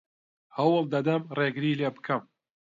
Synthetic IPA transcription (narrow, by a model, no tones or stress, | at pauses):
hɐwɨlˠd̪ɐd̪ɐmreːɡɨɾileːbɨkʰɐm